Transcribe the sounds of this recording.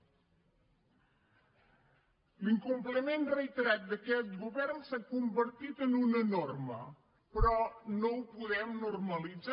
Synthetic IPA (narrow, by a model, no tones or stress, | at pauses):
liŋkumpləmenrəit̪əɾat̪̚d̪əkɛt̪ɡuβɛrnsakumbəɾt̪it̪ənunənormə̰ | pɾɔnowpuðɛmnurməlid͡za